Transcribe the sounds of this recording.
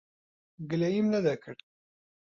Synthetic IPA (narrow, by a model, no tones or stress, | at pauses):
ɡlæjimlæðækʰːəɾ